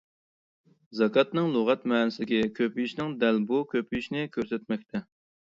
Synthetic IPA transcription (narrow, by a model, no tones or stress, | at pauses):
zɑkɑt̪nɨŋlˠoʁɑt̪mɛːnɪsɪd̪ɪkʲikʲʰøpiʃnɪŋd̪ælbukʲʰøpʰyʃnɪkʲʰøɾsɛt̪̚mɛk̚ʲt̪ʰɛ